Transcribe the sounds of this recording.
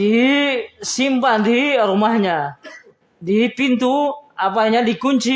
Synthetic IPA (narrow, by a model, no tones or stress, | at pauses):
di | simpandiɾumahɲa | dipint̪uapaɲadikuɲt͡ʃi